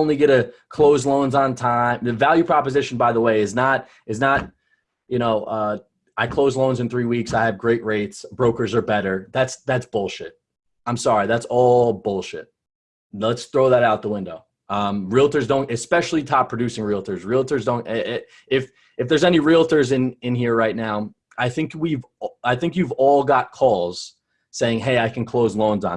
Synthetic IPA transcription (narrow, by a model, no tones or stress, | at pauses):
ʊ̃nliɡɛɾɨ | kʰl̥oʊzlõʊ̃nzn̩tʰãɪ̃mðɨvælˠjʉpʰɹ̥ɑpɨzɪʃn̩baɪðəweɪɨznəɾ | ɨz̬nət̚ | jɨñoʊʔʌ | aɪkʰl̥oʊzlõʊ̃nzɨ̃nθɹiwiksaɪɨvɡɹeɪʔɹeɪtsb̥ɹoʊkə˞zə˞bɛɾə˞ðætsðætsb̥ʊlˠʃɪt̚ | ãɪ̃msɑɹiðætsɔlˠbʊlˠʃɪ̰t̚ | lətsθɹoʊðɨɾaʊt̪̚ðəwɪ̃ndoʊ | ʌ̃mɹilˠtə˞zdõʊ̃ntɨspɛʃl̩ˠitʰɑpʰɹ̥ɨdʉsɪ̃ŋɹilˠtʰə˞zɹilˠtʰə˞zdõʊ̃nt | ɪf | ɨfðə˞zɛniɹilˠtʰə˞zɨ̃nɪ̃nɦiɹɹaɪtⁿnaʊ | aɪθɪ̃ŋkwivaɪθɪ̃ŋkjʉvɔlˠɡɑt̚kʰɔlˠz̥ | seɪɪ̃ŋɦeɪaɪkʰɨ̃n̩kʰl̥oʊzlõʊ̃nz